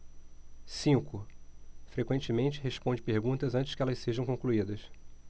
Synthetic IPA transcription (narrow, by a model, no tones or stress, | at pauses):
sĩŋkʊfɾekwẽnt͡ʃɪmẽnt͡ʃɪɦeʃpõd͡ʒɪpeɾɡũnt̪ɐzɐ̃nt͡ʃɪ̥ʃkɪɛlɐsseʒɐ̃w̃kõkluid̪ɐs